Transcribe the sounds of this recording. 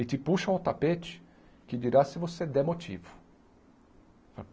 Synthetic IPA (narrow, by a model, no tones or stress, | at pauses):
ɪt͡ʃ̪ɪpuʃɐũt̪apet͡ʃɪ̥ | kɪd͡ʒiɾasɪvosed̪ɛmot͡ʃivʊ̥ | f